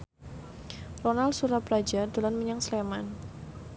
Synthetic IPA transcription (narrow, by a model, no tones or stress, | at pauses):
rɔnalsuɾapɾad͡ʒad̪alanməɲaŋsleman